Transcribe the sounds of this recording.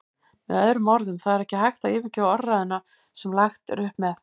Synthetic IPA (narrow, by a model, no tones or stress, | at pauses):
mɛ̰ðœðɾʏmːɔɾðʏmθaðɛɾɛhcɪhajxt̪aɪːvɪcɪɔɾːaðʏnːa | sɛmlaxt̪ɾʏhpmɛð